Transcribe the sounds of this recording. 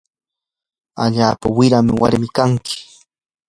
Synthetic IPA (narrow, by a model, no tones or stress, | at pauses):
a̰ʎaːpawɪɾamɪwa̰ɾmɪkaŋkʰɪ̥